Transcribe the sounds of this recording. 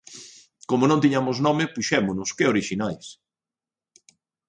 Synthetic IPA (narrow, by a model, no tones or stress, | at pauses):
komʊnõnt̪iɲamʊsnɔmɪpuʃɛmʊnʊskeoɾiʃinajs